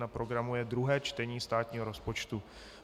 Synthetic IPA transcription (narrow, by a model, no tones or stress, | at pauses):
napɾo̞ɡɾamujɛd̪ɾuɦɛːt͡ʃt̪ɛɲiːst̪aːt̪ɲiːɦoɾo̞spo̞t͡ʃt̪u